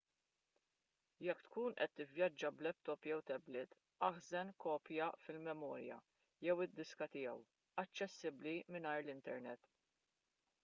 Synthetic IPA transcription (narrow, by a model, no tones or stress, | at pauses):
jɛkːt̪kuːnʔɛt̪ːɪvjɐd͡ʒːɐblɛp̚t̪ɔpjɛwt̪ɛblɪt̪ | ʔɐħzɛnkɔːpjɐfɪlmɛmɔːɾjɐ̰ | jɛwɪd̪ːɪskɐt̪ɪjɛw | ɐt͡ʃːɛsːɪblimɪnɐːɾlɪnt̪ɛɾnɛt̪ː